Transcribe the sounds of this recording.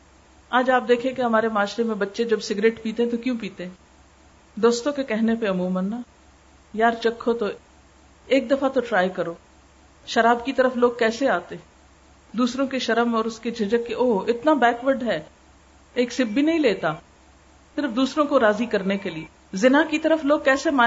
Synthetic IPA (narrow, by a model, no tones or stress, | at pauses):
aːd͡ʒaːp̚d̪eːkʰẽkeɦɐmaːɾemaːʃɾemẽbɐtːʃed͡ʒɐbsɪɡɾeːʈpiːt̪eɦɛ̃t̪okjũpiːt̪eɦɛ̃ː | d̪oːst̪õkekɛɦnepeɐmuːmənːa | jaːɾt͡ʃɐkʰːot̪o | eːk̚d̪ɐfat̪oʈɾaːjkɐɾoː | ʃɐɾaːbkit̪ɐɾəfloːɡ̚kɛːseaːt̪ẽ | d̪uːsɾõkeʃɐɾəmɔːɾʊsked͡ʒʱɪd͡ʒəkːeʔoːɪt̪nabɛːkʋəɾɖɦɛː | eːksɪbːinɐɦĩleːt̪aː | sɪɾfd̪uːsɾõkoɾaːzikɐɾnekelie | zɪnakit̪ɐɾəfloːɡ̚kɛːsemaː